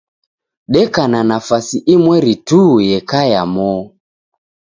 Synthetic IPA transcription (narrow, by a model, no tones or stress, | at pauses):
ɗɛkananafasiʔimwɛɾitujɛkaja̰mɔ